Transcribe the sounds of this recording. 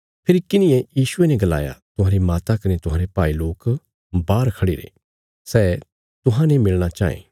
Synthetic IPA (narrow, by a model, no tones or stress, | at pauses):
pʰɪɾikɪnɪ̃jẽjiːsʊenɛ̃ɡɐla̰ːja̰t̪ʊɦãːɾimaːt̪akɐnet̪ʊɦãːɾepaːiloːk | baːɾkʰɐɽiɾḛ | sɛː | t̪ʊɦãnẽmɪlɽ̃at͡ʃa̰ːḛ̃ː